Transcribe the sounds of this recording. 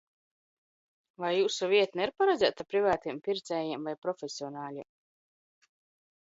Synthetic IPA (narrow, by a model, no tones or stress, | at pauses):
vajːuːsuvʲiɛt̪niɾpaɾɛd̪zæːt̪apɾivaːt̪iɛmpʲiɾt̪sɛːjɛmvajpɾɔfʲesiɔnaːlʲiɛm